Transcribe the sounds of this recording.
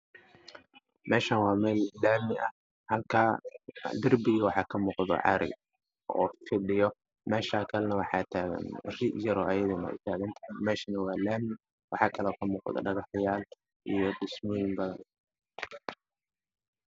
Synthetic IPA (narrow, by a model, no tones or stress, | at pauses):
mɛːʃɐnwɑːmɛːlːaːmɪʔɐ̰ | hɐlkʰaːd̪ɪrbɪɣɪwɑħɑːkʰɐmuːqd̪ɔ̰ʕɑ̰ɾɪ̰ | ʔɔ̰ːfɪɗɪjɔ | mɛːʃaːkʰɐlɛnɐwɑħɑːt̪ʰaːɣɐ̰nrɪʔjɐɾɔʔɐjɐðʊnɐ̰t̪ʰaːɣɐnt̪ʰɐɪmɛːʃɐnɐwɑːlaːmɪ | wʔɑħɑːkʰɐlɔːkʰɐmuːqd̪ɔ̰ɖɐɣɑħjaːl | ʔijɔd̪ɪsmɔjɪmbɐðɐn